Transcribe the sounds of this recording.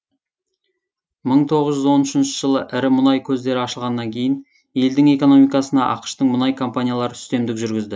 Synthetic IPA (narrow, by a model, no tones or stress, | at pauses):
məɴt̪ʰo̞ʁəzʒʏzwo̞nʏʃɪnʃɪʒəlˠəʔɪɾɪmʊnɑjkʲʰɵzd̪e̞ɾɪɑʃəlˠʁɑnːɑŋkʲʰe̞jɪn | je̞ld̪ɪŋe̞ko̞no̞mijkɑsənɑ̰ʔɑ̰qə̥ʃt̪əɴmʊnɑjkʰo̞mpanʲijalˠɑɾəʏ̥st̪e̞md̪ɪkʒʏɾɡʲɪzd̪ɪ